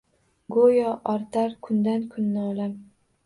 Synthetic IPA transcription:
ɡojɒʔɒɾt̪ʰaɾkʰʊnd̪ankʰʊnːɪɒlam

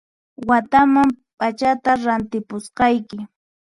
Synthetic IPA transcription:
wat̪amampat͡ʃat̪aɾant̪ɪpʊsqɑjkɪ

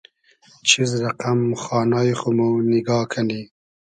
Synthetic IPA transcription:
t͡ʃʰizɾaqamxɑːnɑːjxomunɪɡɑːkʰani

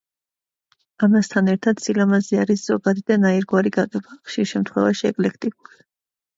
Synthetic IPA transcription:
amast̪ʰanɛɾt̪ʰad̪̥silamazɛaɾisz̥ɔɡad̪id̪anaiɾɡwaɾiɡaqʼɛbaχʃiɾʃɛmt̪ʰχwɛ̰vaʃiɛ̰kʼlɛkʰt̪ʼikʼuli

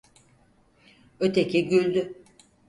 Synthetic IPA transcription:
øt̪ʰecʰiɟylʲd̪y

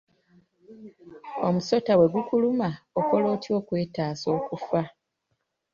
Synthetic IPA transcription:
o̞muso̞tawe̞ɡukulumaoko̞loːtjo̞ːkwe̞ːtaːso̞ːkufa

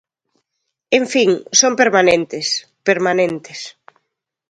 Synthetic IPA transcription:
eɱfiŋsompeɾmanẽnt̪ɪs | peɾmanẽnt̪ɪs

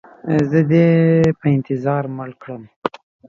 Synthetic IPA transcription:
zəd̪epəɪnt̪ɪzɑɾməɽkɽəm

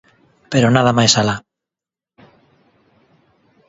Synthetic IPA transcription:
peɾonaðamajsala

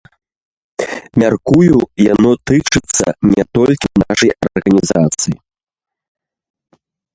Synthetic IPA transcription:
mʲarkujujanɔt̪ɨt͡ʂɨt̪sːɐ̰nʲɛt̪ɔlʲkʲinaʂɐjɐ̰rɣɐnʲizat̪sɨji

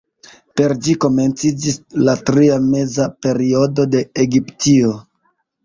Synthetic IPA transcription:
pe̞ɾd͡ʒiko̞me̞nt͡sid͡ʒislatɾiame̞zape̞ɾio̞do̞de̞ːɡiptio

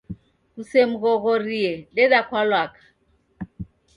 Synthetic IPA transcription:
ɣusem̩ɣɔɣorielɪdakʰwalwaːkḁ

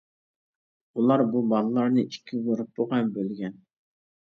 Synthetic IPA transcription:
ulˠɑɾbubɑlˠɨlˠɑɾnɨʔikʲʰːizoɾɨp̚boʁɑnbølɡʲɛn

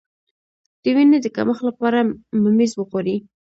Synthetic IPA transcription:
d̪̥əwined̪əka̰məxlapɑɾamʊmizwəɣoɾi

